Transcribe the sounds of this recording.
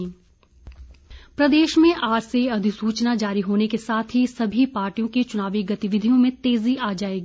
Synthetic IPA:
pɾɐd̪eːʃmẽʔaːd͡ʒseɐd̪ʱɪsuːt͡ʃnad͡ʒaːɾiɦoːnekesaːt̪ʰɦisɐbʱipaːɾʈijõket͡ʃʊnaːʋiɡɐt̪ɪʋɪd̪ʱijõmẽt̪eːziʔaːd͡ʒaːeːɡiː

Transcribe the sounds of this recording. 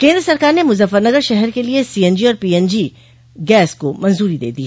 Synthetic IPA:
kẽːnd̪ɾəsɐɾkaːɾnemʊzəfːəɾnɐɡəɾʃɛɦɛɾkeliesiːɛnd͡ʒiɔːɾpiːɛnd͡ʒi | ɡɛːskomɐ̃nzuːɾid̪ḛːd̪iː

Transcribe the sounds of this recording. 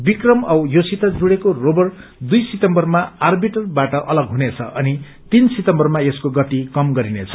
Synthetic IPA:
bikrʌmʌjosit̪ad͡zuɽekorobʌr | d̪ujsit̪ʌmbʌrmaarbiʈʌrbaʈʌʔʌlʌɡɦunet͡sʰʌʔʌni | t̪insit̪ʌmbʌrmaeskoɡʌt̪ikʌmɡʌɾinet͡sʰʌ̥

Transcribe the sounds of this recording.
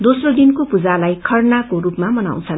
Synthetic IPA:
d̪osrod̪inkopud͡zalajkʰʌrnakorupmamʌna̰w̃t͡sʰʌn

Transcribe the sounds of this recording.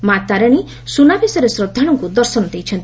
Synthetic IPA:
mat̪aɾəɽ̃i | sunabisɔɾesɾɔd̪ʱːaɽ̃ɔŋkud̪ɔɾsɔnɔd̪ejt͡ʃʰɔnt̪i

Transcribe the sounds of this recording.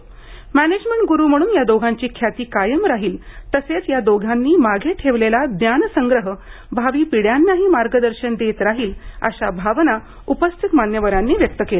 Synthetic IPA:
mæned͡ʑmeɳʈ̚ɡuɾuːm̤əɽ̃uːnjad̪oɡʱaɲt͡ɕiːkʰjat̪iːkajəmɾaɦiːlt̪əset͡sjad̪oɡʱanːiːmaɡʱeʈʰeʋlelad̪njansəŋɡɾəɦə | bʱaʋiːpiɽjanːaɦiːmaɾɡəd̪əɾɕənd̪et̪ɾaɦiːlə̰ɕabʱaʋna | upəst̪ʰit̪manjəʋəɾanːiːʋjək̚t̪əkela

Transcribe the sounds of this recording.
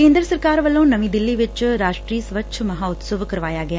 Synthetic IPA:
ẽːnd̪ɾəsəɾkaːɾʋɐlõːnɐʋĩːd̪ɪlːiʋɪt͡ʃɾaːʃʈɾiːsʋəʃʰmɐɦaːʊt̪səʋkɐɾʋaːjaɡɐjaː

